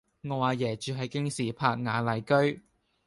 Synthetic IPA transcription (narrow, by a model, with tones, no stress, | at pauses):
ŋɔː˨˧waː˨˧jɛː˨˩t͡ʃyː˨˧ɦɐ˨jkɪ˥ŋsiː˨˩pʰaː˧˥k̚ŋaː˨˥lɐ˨˩jkɵ˥ɥ